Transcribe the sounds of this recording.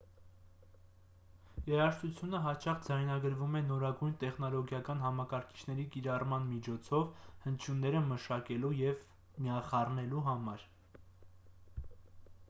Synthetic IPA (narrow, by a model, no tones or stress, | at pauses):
jɛɾɑʃt̪ut͡sʰjunəɦɑt͡ʃɑχd͡zɑjnɑɡəɾvumɛnɔɾɑɡujnt̪ɛχn̪ɔlɔɡjɑkɑnɦɑmɑkɑɾkʰi̥t͡ʃʰnɛɾikiɾɑrmɑnmit͡ʃʰɔt͡sʰɔvhənt͡ʃʰjunːɛɾəməʃɑkɛlujɛv | mijɑχɑrnɛluɦɑmɑɾ